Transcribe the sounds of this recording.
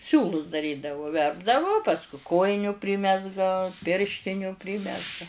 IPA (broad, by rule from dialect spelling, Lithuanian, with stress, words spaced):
ˈsʲuːlˠʊs dɐˈrʲiːdɐʋʊ ˈʋʲɛrbdɐʋʊ ˈpɑːskʊ ˈkoːjɪnʲʊ ˈpʲrʲɪmʲɛzɡɐ ˈpʲɪrʲʃʲtʲɪnʲʊ ˈpʲrʲɪmʲɛzɡɐ